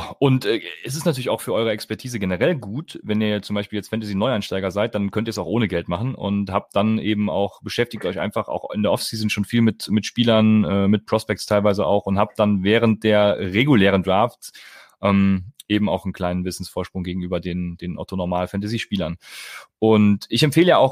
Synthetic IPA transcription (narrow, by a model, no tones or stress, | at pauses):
ʔʊntʔɛɛs̬ɪstnatyɐlɪçaʊxfyːʔɔʏəɛkspɛɐtʰiːzəɡenəʁɛlɡuːtvɛniːɐt͡sʊmbaɪʃpiːljɛt͡stfɛntaziːnɔʏanʃtaɪɡɐzaɪt̚d̥ankʰœntiːɐsaʊxʔoːnəɡɛltmaχn̩ʔʊ̰nthaːp̚t̚d̥anʔeːbm̩a̰ʊxb̥əʃɛftɪçtʔɔʏçʔa̰ɪnfaχa̰ʊxɪ̰ndeːɐʔɔfsiːzn̩ʃoːnfiːlmɪtmɪtʃpiːlɐnɛːmɪt̚pʁ̥ɔspɛk̚tstʰaɪlvaɪzəʔa̰ʊxʊnthaːp̚d̥anvɛːʁ̞ənt̚d̥eːɐʁeɡulɛːʁəndʁaːftsʔɛːmʔeːbm̩aʊxn̩kʰl̥aɪnənvɪsn̩sfoːɐʃpʁ̥ʊŋɡeːɡŋ̩ʔyːbɐdeːnd̥eːnʔɔ̰tonoɐmaːlfɛntaziʃpiːlɐnʔʊntʔɪçɛmfeːləjaːʔaʊx